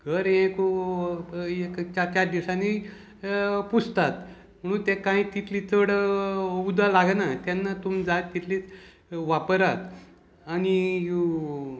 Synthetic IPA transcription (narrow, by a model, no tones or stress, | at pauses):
ɡʱəɾɦẽku | ekt͡ɕaɾt͡ɕaɾd̪iwɕani | pust̪at̪ | m̤əɽ̃uːnt̪ekãĩt̪it̪lit͡səɽəud̪alaɡnat̪janːat̪umd͡zat̪ːit̪lit͡s | ʋapəɾat̪ | aniju